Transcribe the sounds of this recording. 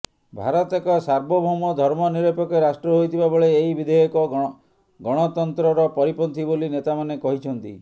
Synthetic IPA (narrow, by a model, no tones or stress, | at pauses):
bʱa̰ɾɔt̪ekɔsaɾbɔbʱumɔd̪ʱɔɾmɔniɾɔpɔkeɾasʈɾɔɦojt̪ʰibabɔɭeːɦibid̪ʱejɔkɔ | ɡɔɽ̃ɔt̪ɔnt̪ɾɔɾɔpɔɾipɔnt̪ʰibolinet̪amanekɔɦit͡ʃʰɔnt̪ḭ